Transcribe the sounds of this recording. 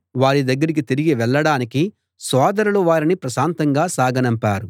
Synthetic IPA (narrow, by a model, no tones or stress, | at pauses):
ʋaːɾid̪ɐɡːɐɾik̬it̪iɾiɡiʋɛɭːɐɽaːniki | sɔːd̪ɐɾuluʋaːɾinipɾɐsaːnt̪ɐŋɡaːsaːɡɐnɐmpaːɾu